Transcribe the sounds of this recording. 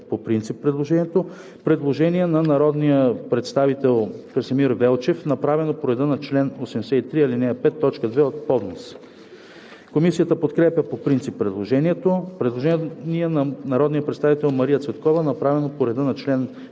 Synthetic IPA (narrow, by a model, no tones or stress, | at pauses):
popɾint̪sipːɾɛd̪lˠoʒɛniɛt̪o | pɾɛd̪lˠoʒɛniɛnɐnɐɾɔd̪nijəpɾɛt̪st̪avit̪ɛlˠkɐɾsɛmiɾvɛlˠt͡ʃɛfnɐpɾavɛnopoɾɛd̪ənɐt͡ʃlɛnosɛmsɛit̪ɾiilinɛpɛt̪ːɔt͡ʃkəd̪vɛot̪̚pɔd̪nos | komisijət̪əpot̪kɾɛpʲjəpopɾint̪sipːɾɛd̪lˠoʒɛniɛt̪opɾɛd̪lˠoʒɛniɛniənɐnɐɾɔd̪nijəpɾɛt̪st̪avit̪ɛlˠmɐɾijət̪svɛt̪kɔvənɐpɾavɛnopoɾɛd̪ənɐt͡ʃlɛn